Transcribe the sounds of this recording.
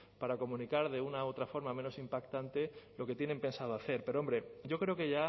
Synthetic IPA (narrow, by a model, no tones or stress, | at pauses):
paɾako̞mũnikaɾðe̞unao̞t̪ɾafo̞ɾmamẽ̞no̞simpakt̪ant̪e̞lo̞ke̞t̪je̞ne̞mpe̞nsað̞oaθe̞ɾpe̞ɾoo̞mbɾe̞ɟ͡ʝo̞kɾe̞o̞ke̞ʝa